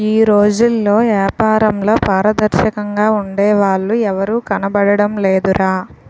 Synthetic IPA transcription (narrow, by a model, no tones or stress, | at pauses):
iːɾo̞ːd͡ʒulːo̞ːʋjaːpaːɾɐmlo̞ːpaːɾɐd̪ɐɾʃɐkɐŋɡaːuɳɖeːʋaːɭːuɛʋɐɾuːkɐnɐbɐɽɐɽɐmleːd̪uɾaː